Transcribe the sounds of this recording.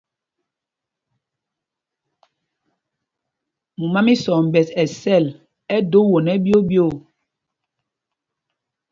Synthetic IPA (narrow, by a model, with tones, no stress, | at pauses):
mu˨ma˦mi˦sɔ˨m̩˨bɛ˨sɛ˨sɛ˦˨l | ɛ˦do˦wo˨nɛ˦bjo˦bjo˦˨